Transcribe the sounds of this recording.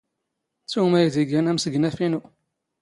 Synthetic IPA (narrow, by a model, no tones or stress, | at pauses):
t͡sːumæjðiɡænæmsəɡnæfinu